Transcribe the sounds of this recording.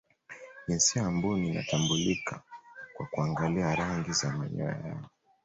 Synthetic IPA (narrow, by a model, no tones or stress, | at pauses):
ʄinsiambunina̰tambulikakwakuaŋɡaliaɾaŋɡizamaɲɔ̰a̰ja̰ɔ